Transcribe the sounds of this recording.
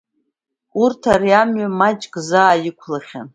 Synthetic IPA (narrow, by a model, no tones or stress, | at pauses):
urtʰariamɥamat͡ʃʼkʼzaːjɪkʷʰlaχʲa̰n